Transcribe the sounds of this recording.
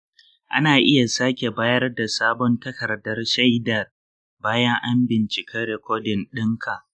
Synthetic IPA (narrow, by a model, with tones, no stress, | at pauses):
ʔa̰˦naː˨ʔɪ˦ja˨saː˦kʲe˨baː˦jɐ˦rda˨saː˦bɔ˦ntɐ˦kɐ˨rdɐ˦rʃa˦jdɐ˨r | baː˦jɐ˦ŋʔa˦mbɪ˨nt͡ʃɪ˨kʰɐ˦ɾe˨kʷoː˦dɪ˨nɗɪ˦ŋkʰa˨ʔ